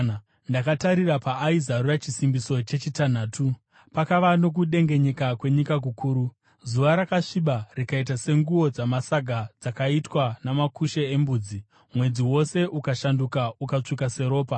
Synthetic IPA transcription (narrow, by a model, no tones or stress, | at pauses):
ndakataɾirapaːizarurat͡ʃisimbiso̞t͡ʃe̞t͡ʃitan̤aːtu | pakaʋano̞k̬uɗe̞ŋɡe̞ɲe̞kakwe̞ɲikak̬ukuːɾu | zuʋaɾakaʂiɓarikaitase̞ŋɡuwo̞d͡zamasaɡʱad͡zakaitwanamakuʃeembuːd͡zi | mwe̞d͡ziwo̞se̞ʔukaʃandukaukat͡ʂikase̞ɾo̞ːpa